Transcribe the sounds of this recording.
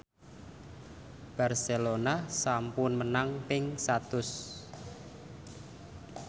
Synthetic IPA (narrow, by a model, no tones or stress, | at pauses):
b̥a̤rselonasampʊnmənaŋpɪŋsat̪ʊs